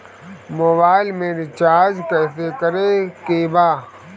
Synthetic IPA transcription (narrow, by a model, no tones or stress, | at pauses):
moːbaːɪlmẽɾɪt͡ʃaːɾd͡ʒkɛːsekɐɾekebaː